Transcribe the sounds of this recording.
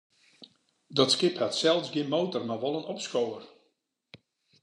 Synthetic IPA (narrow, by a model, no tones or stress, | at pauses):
dɔtskɪphatsɛlˠsɡjɪənmoːtərmaʋɔlˠənɔpskowər